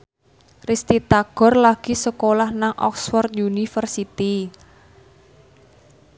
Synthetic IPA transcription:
rist̪it̪aɡ̥ɔ̤rlaɡ̥i̤səkolahnaŋʔɔ̰ksfɔrt̪̚junifərsit̪i

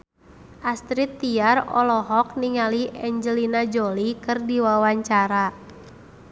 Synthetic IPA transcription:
ʔast̪ɾit̪ːiarɔ̰lɔɦɔk̚niŋaliɛɲd͡ʒəlinad͡ʒɔlikɨrdiwawaɲt͡ʃaɾa

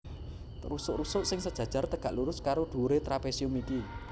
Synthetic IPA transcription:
rusʊʔrusʊʔsɪŋsəd̥ʒ̥a̤̥ʒ̥a̤rt̪əɡ̥a̤ʔluɾʊskaɾoɖ̪̥ṳɾet̪ɾapesiʊmiki

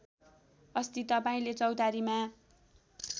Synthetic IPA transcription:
ʌst̪it̪ːʌpaĩlet͡sʌwt̪aɾima

